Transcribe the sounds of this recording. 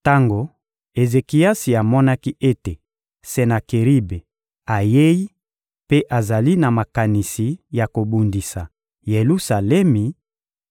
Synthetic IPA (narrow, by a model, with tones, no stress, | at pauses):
ta˦ŋɡo˨ | e˨ze˨ki˨ja˦si˨a˨mɔ˦na˦ki˦ʔe˦te˨ | se˨na˨ke˨ʁi˦be˨ | a˨je˦ji˦ | pe˦ʔa˨za˨li˦na˨ma˨ka˨ni˨si˨ja˨ko˨bu˨ndi˨sa˨ | je˨lu˦sa˨lɛ˦mi˨